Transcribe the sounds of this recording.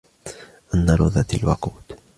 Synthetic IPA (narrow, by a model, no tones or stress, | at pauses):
ʔanːaɾˤʊðˤat̪alwa̰quːt̪